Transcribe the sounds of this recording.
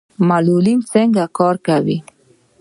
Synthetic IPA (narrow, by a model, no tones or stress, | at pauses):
malulint͡səŋɡakɑɾkawi